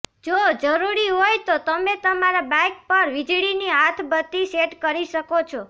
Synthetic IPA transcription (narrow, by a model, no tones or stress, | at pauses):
d͡ʒod͡ʒəɾuɾiɦojt̪ot̪əmet̪əmaɾabãjk̚pəɾʋid͡ʒɭiniɦat̪ʰbət̪ːiseʈkəɾiʃəkot͡ʃʰo